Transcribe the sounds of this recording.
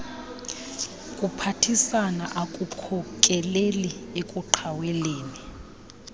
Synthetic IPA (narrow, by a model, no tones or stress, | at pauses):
kʼupʰatʰisanaʔakʼukʰɔkʼɛleliekʼuǃʰawɛleːni